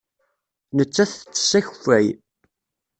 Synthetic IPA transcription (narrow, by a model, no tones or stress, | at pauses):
nət͡sːæθt͡sːsæç̥fæj